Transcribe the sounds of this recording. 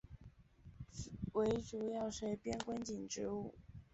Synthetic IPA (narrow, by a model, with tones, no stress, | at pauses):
we˧˥ɪʈ͡ʂu˨˩jɑ˥˩ʊʂe˥˩ɪpjɛ˥nkwə˥nt͡ɕi˨˩nʈ͡ʂɻ̩˧˥˦u˥˩